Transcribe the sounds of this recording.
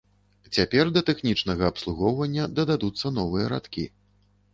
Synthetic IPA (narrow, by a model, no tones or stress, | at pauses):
t͡sʲapʲɛrd̪ɐt̪ɛxnʲit͡ʂnɐɣɐːpslˠuɣɔwvɐnʲːɐd̪ɐd̪ad̪ut̪sːɐn̪ɔvɨjɐɾa̰t̪kʲḭ